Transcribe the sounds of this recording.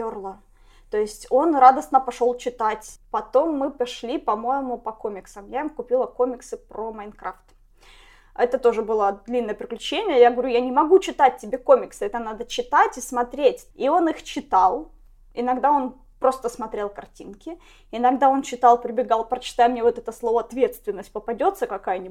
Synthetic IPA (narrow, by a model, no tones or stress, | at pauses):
orlˠə | t̪o̞jɪsʲtʲo̞nrad̪əsnəpɐʂo̞lˠt͡ɕɪt̪atʲpɐt̪o̞mːɨpɐʂlʲipɐmo̞jɪmʊpɐkomʲɪksəmjaimkʊpʲilˠəko̞mʲɪksɨpɾomɐjnkɾaft̪ | ɛt̪ət̪o̞ʐɨbɨlˠəd̪lʲinːəjəpɾʲɪklʲʉt͡ɕenʲɪjəjaɡəvɐɾʲujanʲɪmɐɡut͡ɕɪt̪at̚ʲtʲːɪbʲekomʲɪksɨɛt̪ənad̪ət͡ɕɪt̪atʲismɐt̪ɾʲetʲio̞nɨixt͡ɕɪt̪alˠ | ɪnɐɡd̪ao̞n | pɾo̞st̪əsmɐt̪ɾʲe̞lˠkɐrtʲinkʲɪ | ɪnɐɡd̪ao̞nt͡ɕɪt̪ɑlˠpɾʲɪbʲɪɡalˠpɾət͡ɕɪ̥t̪ajmnʲevo̞t̪ɛt̪əslˠo̞vəɐt̪vʲe̞t̪st̪vʲɪnːəsʲt̚ʲpəpɐdʲo̞t̪səkɐkajənʲi